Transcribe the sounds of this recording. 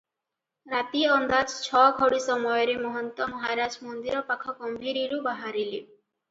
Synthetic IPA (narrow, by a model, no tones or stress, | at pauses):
ɾat̪iɔnd̪ad͡ʒt͡ʃʰɔɡʱɔɽisɔmɔjɔɾemɔɦɔnt̪ɔmɔɦaɾad͡ʒmɔnd̪iɾɔpakʰɔkɔmbʱiɾiɾubaɦaɾili